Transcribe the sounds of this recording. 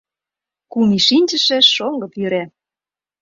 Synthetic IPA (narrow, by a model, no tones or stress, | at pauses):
kumiʃinʲd͡ʑə̆ʃĕʃoŋɡɤ̆pyɾæ